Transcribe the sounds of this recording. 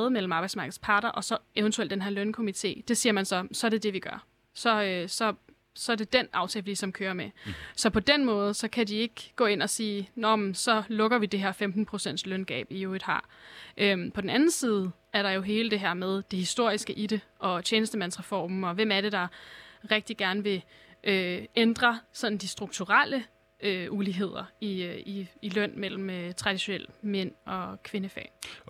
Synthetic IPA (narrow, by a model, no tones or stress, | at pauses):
ðˠmel̰m̩ɑ̈ːb̥ɑɪsmɑ̈ːɡ̥ð̩ˠspʰɑ̈ːd̥ɐʔɒ̽sɒ̽eʊnt͡sʰueld̥enɦeɐlønkʰo̝mit͡sʰe̝̰ːd̥e̝siːɐmænsɒ̽sɒ̽æɐɾ̥e̝d̥e̝ʋiɡ̥ɶɐ | sɒ̽øsɒ̽ | sɒ̽æɐde̝d̥enɑ̈ʊt͡sʰɛːlflisɒ̽mkʰøːɐmesɒ̽pʰɒ̽d̥en̰mɔ̽ːð̞̩ˠsɒ̽kʰædie̝ɡ̥ɡ̥ɔ̰̽ːe̝n̰ɒ̽siːnɒmsɒ̽lɔ̽ɡ̥ɐʋid̥e̝ɦeɐfemd̥n̩pʰʁosen̰d̥slœnɡ̥ɛ̰ːb̥iued̥hɑ̰̈ʔømpʰɒ̽d̥n̩æn̩siːð̞̩ˠ | æɐɾɑ̈jo̝ɦe̝ːləd̥e̝ɦæɐ̰með̞ˠd̥e̝hisd̥o̝ɐ̰isɡ̥əʔiɾe̝ɒ̽t͡ɕʰeːnəsd̥əmæn̰sʁɛfɒ̰ːm̩ɒ̽ʋem̰æɐɾe̝d̥ɑ̈ʁeɡ̥̚d̥iɡ̥æɐnʋe̝ | ʔøend̥ʁɐsɒ̽nn̩d̥isd̥ʁuɡ̥̚t͡sʰuʁal̰ə | øuliɦe̝ð̞̰ˠɐiiːlœn̰mel̰m̩øt͡sʰʁɑ̈d̥iɕo̝nel̰men̰ɒ̽kʰʋe̝nəfɛ̰ː